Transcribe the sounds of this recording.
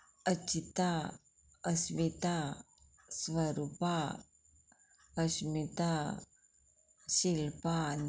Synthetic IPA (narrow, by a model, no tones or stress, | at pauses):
ət͡ɕit̪a | əsʋit̪a | sʋəɾupa | əɕmit̪a | ɕilpan